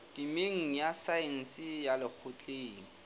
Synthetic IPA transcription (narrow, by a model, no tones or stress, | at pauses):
d̥imeŋ̩jasaɛn̩sɪjalɪk͡xʰʊt͡ɬʼeːŋ̩